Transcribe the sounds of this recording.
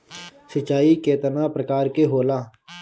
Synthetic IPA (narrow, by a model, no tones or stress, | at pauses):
sət͡ʃːaːiːkeːt̪ənãːpɾəkaːɾkeːɦoːlaː